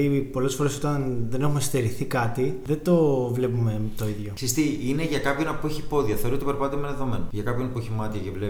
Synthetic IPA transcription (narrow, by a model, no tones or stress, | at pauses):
ipo̞le̞sfo̞ɾe̞so̞t̪ɐnðe̞ne̞xume̞st̪eɾiθikɐt̪iðe̞d̪o̞vle̞pume̞t̪o̞iðʝo̞sist̪iineʝɐkɐpçonɐpueçipo̞ðiɐθeoɾuot̪ipeɾpɐt̪t̪emenðeðo̞menoʝɐkɐpço̞nɐpueçimɐt̪iɐcevle